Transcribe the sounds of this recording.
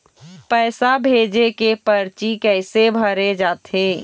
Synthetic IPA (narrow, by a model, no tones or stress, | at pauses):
pɛːsabʱeːd͡ʒekepəɾt͡ʃikɛɪsebʱəɾed͡ʒaːt̪eː